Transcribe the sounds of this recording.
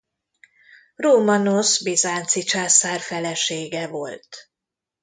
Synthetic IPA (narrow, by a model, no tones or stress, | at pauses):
roːmɒnosbezaːnt̪sit͡ʃaːsaːrfɛlɛʃeːɡɛvo̞lt̪